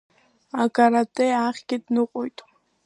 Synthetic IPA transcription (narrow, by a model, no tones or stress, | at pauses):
aɡaɾat̪ʼɛaχɡit̪ʼnuqʼɔjt̪ʼ